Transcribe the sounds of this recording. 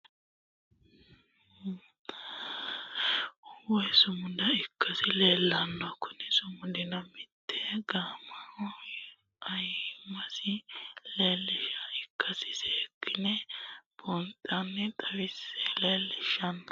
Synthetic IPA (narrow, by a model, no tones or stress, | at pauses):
wɛsʊmʊd̪ɐɪkʰːɐsɪleːlːɐnːakːʊnɪsʊmʊd̪ɪnɐmɪt̪ːɛɡaːmɐɾɔ | ɐjɪmːɐsɪleːlːɪʃɐɪkːɐsɪ̥sɛkːɪnɛb̥ɔnt̪ʼɐnːɛt̪ʼɐwɪseleːlːɪʃɐn